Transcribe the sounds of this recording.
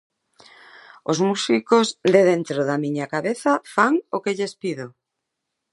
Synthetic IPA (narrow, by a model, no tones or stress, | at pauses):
ozmusikozðeð̞ent̪ɾoðamiɲakaβeθafaŋokeʎespiðo